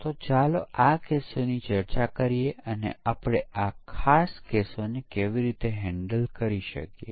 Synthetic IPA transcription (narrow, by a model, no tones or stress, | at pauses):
t̪ot͡ʃaloakesonit͡ʃəɾt͡ʃakəɾijeənḛapɽ̃eʔakʰaskesonekeʋiɾit̪eɦɛ̃ɳɖəlkəɾiʃə̰kjḛ